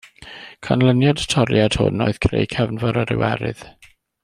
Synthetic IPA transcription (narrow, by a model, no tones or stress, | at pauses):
kʰanlənjadtʰɔɾjad̥ho̰nɔjð̥kʰrḛjkʰɛvnvɔɾəɾɪ̰wɛ̰ɾɪ̰ð̥